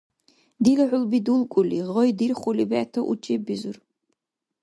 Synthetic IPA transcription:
d̪ilaħʷʊlbid̪ulˠkʼuliʁɔjd̪irχʷʊlibɛt̪ʰɐʔṵt͡ʃʼibizur

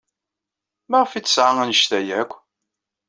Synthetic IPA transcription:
mæʁfit͡sːə̥sʕaŋænəʃt̪æjækʷː

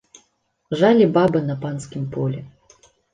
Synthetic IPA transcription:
ʐalʲibabɨnɐpanskʲimpɔlʲɛ

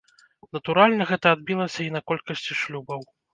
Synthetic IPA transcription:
nɐt̪uɾalʲnɐɣɛt̪ɐːd̪̚bʲilˠɐsʲɐinɐkɔlʲkɐsʲt͡sʲiʂlʲubɐw

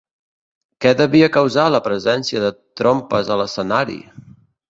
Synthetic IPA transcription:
kɛðəβiəkəwzaləpɾəzɛnsiəðət̪ɾompəzələsənaɾḭ

